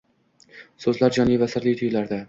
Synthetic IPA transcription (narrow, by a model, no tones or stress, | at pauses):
sɵzlaɾd͡ʒɒnivasɪɾlijt̪ʰʊjlaɾd̪a